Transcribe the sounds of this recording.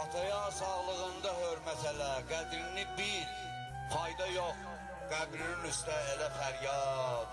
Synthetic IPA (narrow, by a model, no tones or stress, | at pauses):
ɑt̪ʰɑjɑsɑʁlˠɯʁɯnd̪ɑhøɾmæt̪ʰælæɡæd̪ɾinibiɾ | pʰɑjd̪ɑjoχ | ɡ̥æbɾinimyst̪æelæfæɾjɑd̪